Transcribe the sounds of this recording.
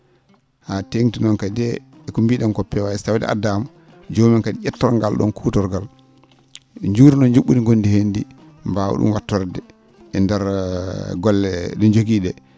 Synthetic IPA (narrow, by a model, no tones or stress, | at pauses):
hateŋtinɔnkadɛɛkumbiɗɔnkɔpːɛwaɛsawdɛ̰ʔa̰dam | d͡ʒoːmankadiʔɛtːɔɾŋɡalɗɔ̰nkʰuːtɔɾɡal | ɲd͡ʒuːɾinɔnd͡ʒuɓːuniɡondihendi | mbawṵɗṵmwatːɔɾdɛ | ɛndɛɾ | ɡɔlːɛɗɔnd͡ʒoɡiːɗɛ